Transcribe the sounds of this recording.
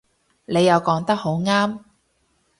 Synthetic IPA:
ne˨˧jːɐ˨˧wkɔː˨˥ŋt̪ɐ˥k̚ho˨˥wŋaː˥m

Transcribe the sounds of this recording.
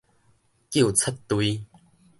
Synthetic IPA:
kju˥˨t͡sʰə˦t̪ːwi˧˦

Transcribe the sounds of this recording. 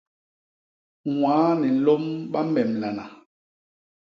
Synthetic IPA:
wwaː˨˦nɛ˨˦lo˦mɓa˦mɛ˨mla˨na˨

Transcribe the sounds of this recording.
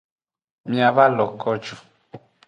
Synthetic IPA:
mĩ˦a˨βa˦lɔ˨kɔ˦d͡ʒu˨

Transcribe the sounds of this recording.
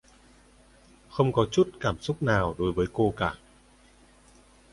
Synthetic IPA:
xə˧wŋ͡mkɔ˨˦t͡ɕu˦˥t̚kaː˧˩msʊ˦˥k͡p̚naː˨˩wɗo˨˦jvəː˨˦jko˧kaː˧˩

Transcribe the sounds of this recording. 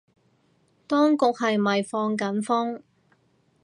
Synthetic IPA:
t̪ɔː˥ŋkʊ˨k̚hɐ˨jmɐ˨jfɔː˧ŋkɐ˨˥nfʊ˥ŋ

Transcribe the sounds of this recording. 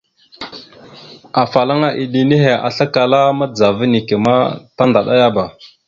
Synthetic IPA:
a˨fa˨la˦ŋa˦ʔi˨ɗi˨ni˦ɦe˨a̰˨ɬa˦ka˨la˦ma˦d͡za˨və˦ni˨ke˨ma˦ta˦nda˨ɗa̰˦ja˦ba˨

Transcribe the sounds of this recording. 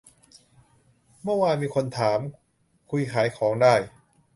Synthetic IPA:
mɯ˥˩waː˧nmiː˧kʰo˧nt̪ʰaː˩˦m | kʰu˧jkʰaː˩˦jkʰɔː˩˦ŋdaː˥˩j

